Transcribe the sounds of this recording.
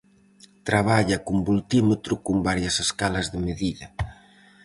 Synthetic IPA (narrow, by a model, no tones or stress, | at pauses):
t̪ɾaβ̞aʎɐkumbult̪imet̪ɾʊkʊmbaɾjɐseskalɐzðɪmeðiðɐ